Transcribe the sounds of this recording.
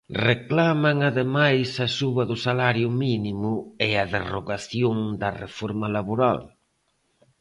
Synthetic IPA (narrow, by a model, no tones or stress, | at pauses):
reklamaŋaðemajsɐsuβɐðʊsalaɾjʊminimʊeɐðeroɣaθjoŋd̪ɐrḛfoɾmɐlaβoɾa̰l